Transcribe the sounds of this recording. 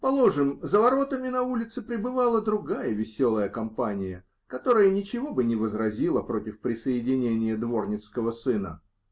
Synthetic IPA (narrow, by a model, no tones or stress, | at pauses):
pɐlˠoʐɨmzəvɐɾo̞t̪əmʲɪnɐulʲɪt̪sɨpɾʲɪbɨvalˠəd̪ɾʊɡajəvʲɪsʲo̞lˠəjəkɐmpanʲɪjə | kɐt̪o̞ɾəjənʲɪt͡ɕɪvo̞bɨnʲɪvəzɾɐzʲilˠəpɾo̞tʲɪfpɾʲɪsəjɪdʲɪnʲenʲɪjəd̪vo̞rnʲɪt̪skəvəsɨnə̰